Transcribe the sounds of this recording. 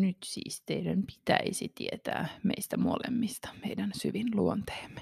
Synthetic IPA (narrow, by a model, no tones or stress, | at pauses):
nyt̪sḭːst̪eidæmpi̥t̪æisit̪iet̪æ̰ːmḛist̪æmo̰lḛmːist̪ɑ̥meidænsyʋinluont̪e̥ːmːe̥